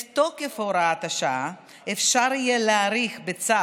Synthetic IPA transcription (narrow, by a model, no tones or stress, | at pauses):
t̪okefoɾaat̪aʃaa | efʃaɾijeleaɾiχbet͡sa